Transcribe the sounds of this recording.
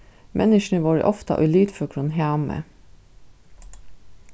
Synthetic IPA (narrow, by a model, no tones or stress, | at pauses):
mʔɛ̰nɪʃɳəʋɑːɹə̰ʔɔft̪ɑ̰ʔʉliːt̪fɔkʰɹʊnɦɑːmə̰